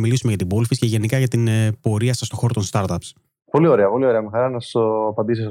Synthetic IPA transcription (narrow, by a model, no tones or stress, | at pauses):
milisumeʝɐt̪ibolfisceʝenikɐʝɐt̪inpo̞ɾiɐsɐst̪o̞xo̞ɾo̞t̪onst̪ɐɾt̪ɐps | po̞lio̞ɾeɐpo̞lio̞ɾeɐmexɐɾɐnɐ̥oɐpɐnd̪isis